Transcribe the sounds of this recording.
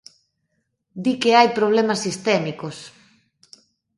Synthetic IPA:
d̪ikeajpɾoβ̞lɛmɐsːist̪ɛmikos

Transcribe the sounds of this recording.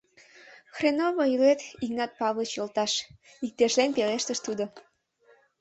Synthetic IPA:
xrenoβoilet̪iknɑt̪̚pɑβlət͡ɕjolt̪ɑʃ | ik̚t̪eʃlenpeleʃt̪əʃt̪ud̪o

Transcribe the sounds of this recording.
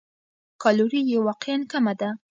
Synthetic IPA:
kɑloɾijewɑqejankamad̪a

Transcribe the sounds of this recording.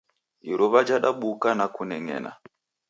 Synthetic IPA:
iɾɔβad͡ʒaɗaɓukanakunɛŋɛ̰na̰

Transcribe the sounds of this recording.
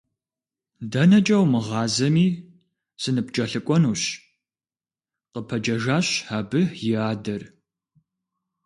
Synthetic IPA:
dɐnɐt͡ʃʼɐwmɨʁɑːzɐmiː | sɨnɨp̚t͡ʃʼɐɬɨkʷʼɔnuːɕ | qəpʰɐd͡ʒɐʒaːɕhaːbɨjɪaːdɐr

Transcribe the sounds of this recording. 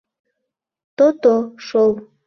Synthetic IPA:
t̪ot̪oʃow

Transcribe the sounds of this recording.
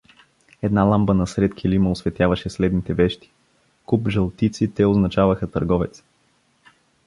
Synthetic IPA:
ɛd̪nalˠambənɐsɾɛt̪kʲʰiliməosvɛt̪ʲjavɐʃɛslɛd̪nit̪ɛvɛʃt̪i̥ | kupʒɐlˠt̪it̪sit̪ɛoznɐt͡ʃavəxət̪ɐɾɡɔvɛt̪s

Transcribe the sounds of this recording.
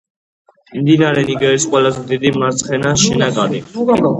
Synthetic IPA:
imd̪inaɾɛniɡɛɾisqʼwɛlazɛd̪id̪imaɾt̪sʰχɛnaʃɛnakʼaɾi

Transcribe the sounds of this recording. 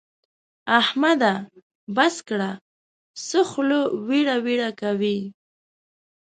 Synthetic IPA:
ahmad̪a | baskɽa | sʊxlowiɽawiɽakawi

